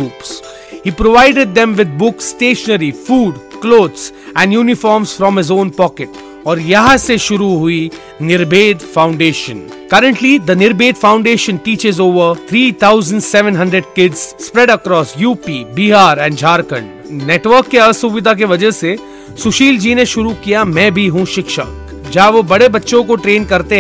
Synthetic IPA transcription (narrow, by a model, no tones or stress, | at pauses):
uːps | hiːpɾoʋaɪɖeɖ̚d̪ɛ̃mʋɪd̪̚bʊksːʈeːʃənəɾifuːɖkloːd̪sɛ̃ɳɖjuːnɪfɔːɾmsfɾɔ̃mɦɪzõːnpɔːkɪʈ | ɔːɾjɐɦãseʃʊɾuɦʊi | nɪɾbeːd̪fãʊ̃ɳɖeːʃə̃n | kɐɾə̃ɳʈlid̪ənɪɾbeːd̪fãʊ̃ɳɖeːʃə̃nʈiːt͡ʃɪzoːʋəɾt̪ʰɾiːt̪ʰaʊzə̃ɳɖsɛʋə̃nɦɐ̃ɳɖɾəɖ̚kɪɖzspɾɛɖəkɾɔːsjuːpiːbiɦaːɾɛ̃ːɳɖd͡ʒʱaːɾkə̃ɳɖ | neːʈʋəɾkːeɐsuʋɪd̪ʱak̬eʋɐd͡ʒəɦse | sʊʃiːld͡ʒiːneʃʊɾukijamɛ̃ːbʱiɦũʃɪkʃə̰k | d͡ʒaːʋobɐɽebɐtːʃõkoʈɾẽːnkɐɾt̪e